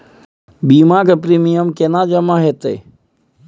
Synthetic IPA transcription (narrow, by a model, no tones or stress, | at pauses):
bimãːkɐpɾiːmijəmkenãːd͡ʒɐmaːɦet̪ə̰j